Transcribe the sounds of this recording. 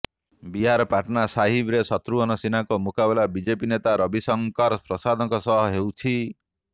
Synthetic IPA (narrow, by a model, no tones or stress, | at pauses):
biɦaɾɔpaʈɔnasaɦibɾesɔt̪ɾuɔnɔsinakɔmukabelabid͡ʒepinet̪aɾɔbisɔŋkɔɾpɾɔsad̪ʱɔkɔsɔɦɔɦewt͡ʃʰi